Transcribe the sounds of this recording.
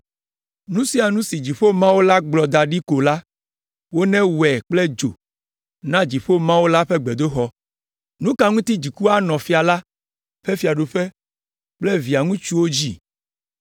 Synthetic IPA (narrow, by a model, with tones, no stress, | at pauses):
nũ˦si˦a˨nũ˦si˨d͡ʑi˨ɸo˦mã˦wo˦la˦ɡ͡blɔ˨d̪a˨ɖi˦ko˨la˦ | wo˦nɛ̃˦wɛ˨k͡plɛ˦d͡ʒo̰˨ | nã˦d͡ʑi˨ɸo˦mã˦wo˦la˦ɸɛ˦ɡ͡be˨d̪o˦xɔ˦ | nũ˦ka˦ŋũ˦t̪i˦d͡ʑi˨ku˦a˦nɔ̃˨fi˦a˨la˦ | ɸe˦fi˨a˨ɖo˨ɸe˦ | k͡plɛ˦vi˨a˨ŋũ˦t͡ʃu˦wo˦d͡ʑi˦